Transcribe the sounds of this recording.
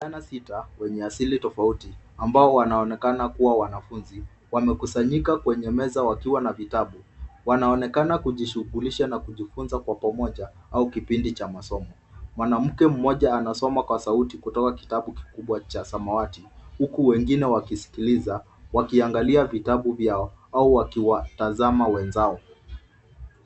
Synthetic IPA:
anasitawɛɲɛasilitɔfauti | ambaɔwanaɔnɛkanakuwawanafunzi | wamɛkusaɲikakwɛɲɛmɛzawakiwanavitaɓuwanaɔnɛkanakuʄiʃuɡuliʃanakuʄifunzakwapamɔʄa | aukipindit͡ʃamasɔmɔmwanam̩kɛm̩mɔʄaːnasɔmakwasautikutɔkaki̥taɓuki̥kuɓwat͡ʃasamawatihukuwɛŋɡinɛwakisi̥kiliza | wakiaŋɡaliavitaɓuvjaɔauwakiwatazamawɛnzaɔ

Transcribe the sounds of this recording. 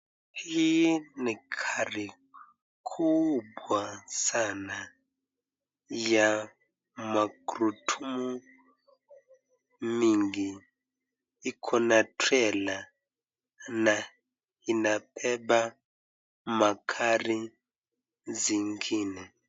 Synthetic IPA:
hinikʰari | kʰubwasana | ja | makɾutʰumu | miŋɡi | kʰɔnatʰwɛla | na | inapʰɛba | makʰari | ziŋɡiːnɛ

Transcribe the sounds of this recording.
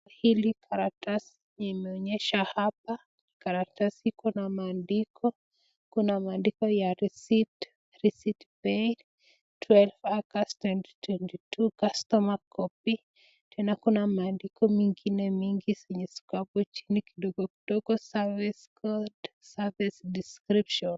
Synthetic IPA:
hilikʰaɾak̚tas | amɛɔɲɛʃahap̚a | nikaɾak̚tashikunamaːndikʰɔ | kunamaːndikɔjaɾisit | isitbɛj | twɛlfakastwɛnti̥twɛntitukastɔmakʰɔpi | tʰɛnakunamaːndikɔmiŋɡinemiŋɡiseɲɛsi̥kabɔt͡ʃi̥niki̥doɡoki̥d̥oɡɔsaviskʰɔd | savisdiskɾipʃɔn

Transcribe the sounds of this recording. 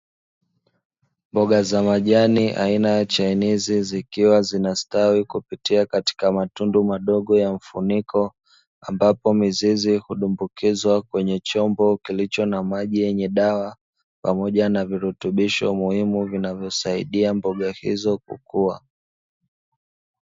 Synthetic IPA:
mbɔɠazamaʄaniʔa̰inajat͡ʃainizizikiwazinastawikupitiakati̥kamatundumaɗɔɠɔjaɱ̩funikʰɔ | ambapɔmizizihuɗumbukizwakwɛɲɛt͡ʃɔmbɔkilit͡ʃɔnamaʄijɛɲɛɗawa | pamɔʄanaviɾutuɓiʃɔ̰muhimuvinavjɔsaḭɗiambɔɠahḭzɔk̚ṵkua

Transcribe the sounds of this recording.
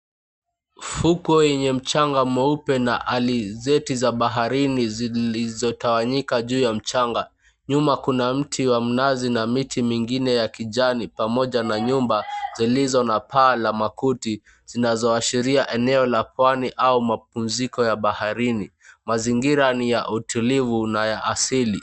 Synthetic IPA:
fukɔjɛɲɛm̩t͡ʃaŋɡamɛupɛnaʔalizɛtizaɓaɦaɾiniziizɔtawaɲikaʄuːjam̩t͡ʃaŋɡa | ɲumakunam̩tʰiwam̩nazinamitʰimiŋɡinɛjakiʄanipamɔʄanaɲumbazilizɔnapaːlamakuti | z̥inazɔaʃiɾiaʔɛnɛɔlapwaniʔaumap̚um̩zikɔjaɓahaɾini | maziŋɡiɾanijaʔutʰulivunajaʔasili

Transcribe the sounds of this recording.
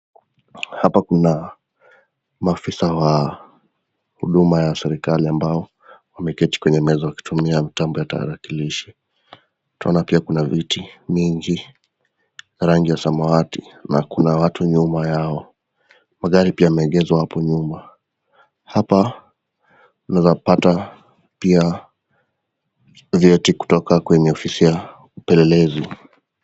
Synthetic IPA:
hapakuna | maːfisawa | hṵɗumajasɛɾikaliambaɔ | wamɛkɛti̥kwɛɲɛmɛzɔjaki̥tumiamitambɔjata̰ɾakiliʃi̥ | tu̥ta̰ɔnapiakunavitimiŋɡi | ɾaŋɡijasamaatinakunawatuɲumajaɔ | maɠaɾipiamɛɛɠɛzwahapɔɲuma | hapa | tunazapata | pia | vɛtiku̥tɔkakwɛɲɛɔfisija | upɛlɛlɛzi

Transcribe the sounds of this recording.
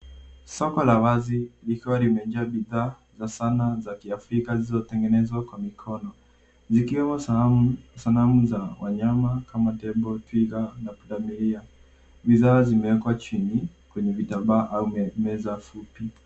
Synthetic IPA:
sɔkɔlawazilikuwalimɛʄaaɓiðaː | zasanazakiafɾikazizɔtɛŋɡɛnɛzwakwamikʰɔnɔ | zikiwɛmɔ | salamuzawa̰ɲamakamatɛɓɔtwikanapuɗamiɾia | ɓiðaːzimɛwɛkwat͡ʃinikwɛɲɛvitaɓaʔaumɛzafupi

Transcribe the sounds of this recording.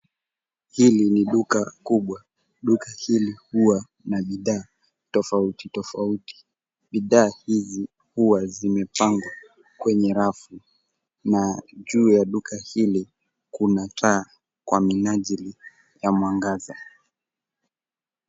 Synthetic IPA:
hiliniɗukakuɓwa | ɗukahilihuwa | naɓiðaː | tɔfautitɔfauti̥ | ɓiðaːhizi | huwazimɛpaŋɡwa | kwɛɲɛɾafu | naʄuːjaɗukʰahili | kunatʰaː | kwaminaʄili | jamwaŋɡaza

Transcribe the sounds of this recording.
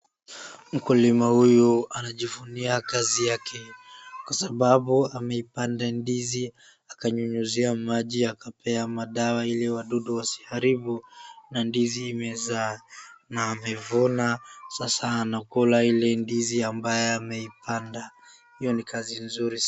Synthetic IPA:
m̩kulimahujuanaʄivuniakazijakʰɛkwasaɓaɓuamɛipandandizi | akaɲuɲuziamaʄiakapʰɛamaɗawailɛwaɗuɗuwasi̥haɾiɓunandiziːmɛzanaːmɛvɔnasasaːnakɔlailɛndiziambajɛamɛipʰanda | hijɔnikazinzuɾi

